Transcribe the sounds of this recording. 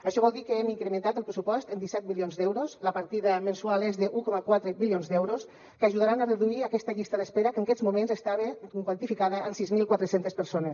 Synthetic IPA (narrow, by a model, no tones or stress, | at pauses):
əʃɔβɔlˠd̪ikəemiŋkɾəmənt̪at̪əlˠpɾesupɔst̪ənd̪isɛt̪̚milionzd̪ɛwɾosləpaɾt̪iðəmənsualˠezðəʔukɔməkwat̪ɾəbilionzd̪ɛwɾos | kaʒuð̞aɾanəreðuiakɛst̪əʎist̪aðəspeɾəkəŋakɛzmumẽnzest̪aβekwant̪ifikaðəʔːnsizmilˠkwat̪ɾəsent̪espəɾsones